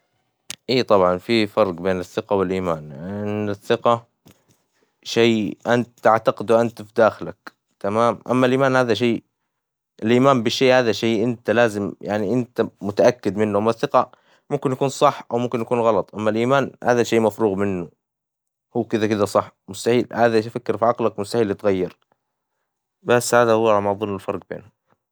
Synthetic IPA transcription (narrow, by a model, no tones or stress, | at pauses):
ʔiːt̪ˤɑbʕɑnfifɑɾˤqbeːnɪθːɪqawɪlʔiːmaːnʔɪnːɪθːɪqa | ʃejːʔant̪aʕt̪aqɪd̪wʔant̪fid̪aːxlak | t̪amaːmʔa̰mːalʔiːmaːnhaːðaʃ̬eː | ʔɪlʔiːmaːmbɪʃːeːʔhaːðaʃeːʔɪnt̪alaːzɪmjaʕniʔɪnt̪amʊt̪aʔakːɪd̪mɪnːuʔamːaθːɪqɑ | mʊmkɪnjakuːnsˤɑħːʔawmʊmkɪnjakuːnɣɑlɑt̪ˤʔamːalʔiːmaːnha̰ːðaʃeːmafɾuːɣmɪnːʊ | huːkɪd̪akɪd̪asˤɑħːmʊst̪aħiːlhaːðafakːɪɾfiʕɑqlakmʊst̪aħiːlːɪt̪ɣajːɑɾ | basːhaːðahʊwːɾˤɑmðˤɨlnːɪlfɑɾˤɡ̚bḛːnʊ